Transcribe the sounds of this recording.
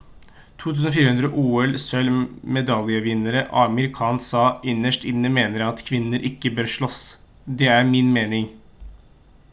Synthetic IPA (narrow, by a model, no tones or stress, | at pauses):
t̪ʰuːt̪ʰʉːsn̩ofiːɾəhʉnd̪ɾəʔuːɛlsœlmɛd̪ɑljəʋɪnːəɾəʔɑməɾɪkʰɑːnsɑːʔɪnːəʂʈɪnːəmeːnəɾɑt̪kʰʋɪnːəɾʔɪkːəbøːɾʂɭɔs | d̪ɛæɾmɪnmeːnɪŋ